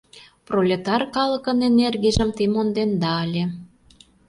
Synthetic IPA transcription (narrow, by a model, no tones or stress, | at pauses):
prolʲet̪ɑrkɑlə̆kə̆nenerɣeʒəmt̪imond̪end̪ɑːlʲe